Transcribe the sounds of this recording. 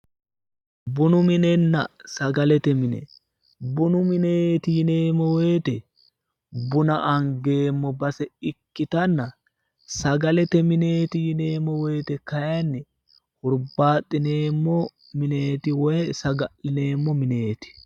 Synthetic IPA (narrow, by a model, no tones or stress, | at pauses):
bʊnʊmɪnɛnːɐ̰sɐɡɐlɛt̪ɛmɪnɛ̰ | bʊnʊmɪneːt̪ɪjɪneːmːɔwɔjt̪ɛ | bʊnɐʔɐŋɡe̞ːmːɔbɐsɛɪkːɪt̪ɐnːɐ | sɐɡɐlɛt̪ɛmɪneːt̪ɪjɪneːmːɔwɛjt̪ɛkɐjɐnːɛ | hʊɾbaːt̪ʼːɪne̞ːmːɔ | mɪneːt̪ɪwɔjsɐɡɐʔɪne̞ːmːɔmɪne̞ːt̪ɪ̥